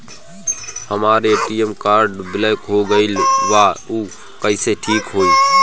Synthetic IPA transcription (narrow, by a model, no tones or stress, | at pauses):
həmaːɾeʈiemkaːɾɖbɪləkɦoɡəɪlʋauː | kəɪseʈʰiːkɦoːi